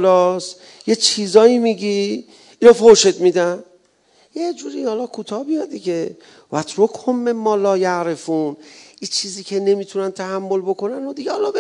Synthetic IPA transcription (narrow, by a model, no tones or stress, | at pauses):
lɒs | je̞t͡ʃʰiːzɒːimiɡi | inofoʃe̞d̪mid̪æn | jed͡ʒuːɾihɒlɒkʰuːt̪ʰɒːhbijɒd̪ikʰe̞ | væt̪ʰɾokʰhomːe̞mmɒːlɒːjaʔɾe̞funʔit͡ʃʰiːziːkʰe̞ne̞mit̪ʰunænt̪ʰæhæmːo̞lbo̞kʰo̞nænod̪iɡehɒlɒbe